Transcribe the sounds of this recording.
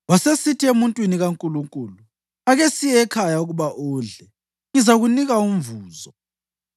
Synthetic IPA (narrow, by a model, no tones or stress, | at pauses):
wasesitʰiemuntʼwiniɣaŋkʼuluŋkʼulu | aɣesijɛkʰajauɣuβaʔuːɮɛ | ŋizaɣuniɣaumvuːzɔ